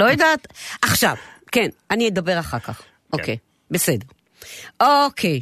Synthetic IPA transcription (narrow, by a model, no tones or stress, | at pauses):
lojadatʔaχʃa̰vkenanid̪abe̞ʁaχakaχ | ʔokej | besede̞ʁ | okʰej